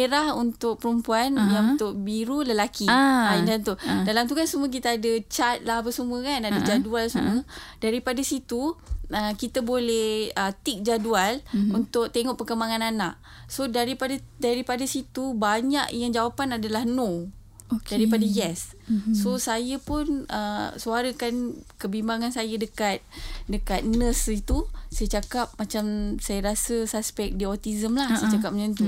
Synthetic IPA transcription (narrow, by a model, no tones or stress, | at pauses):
eɾahunt̪ʊk̚pəɾumpuanjaŋut̪ʊʔbiɾuləlakiadant̪udalamt̪̬ukansumə̃k̬it̪aadət͡ʃat̪̚laɦapəsumə̃kanadəd͡ʒadualsumədaɾipadasit̪uəkit̪abolɛhət̪ik̚d͡ʒadualunt̪ʊk̚t̪eŋɔʔpəkəmaŋananaʔ | sodaɾipadədaɾipadasit̪ubaɲaʔjaŋd͡ʒawapanadalahno | odaɾipadajɛssosajəpʊnə̰suaɾəkankəbimbaŋansajədəkat̪̚dəkat̪̚nə̃sit̪usajət͡ʃakap̚mat͡ʃamsajəɾasəsaspɛk̚diɔt̪izəmlahsajt͡ʃakap̚maɲat̪u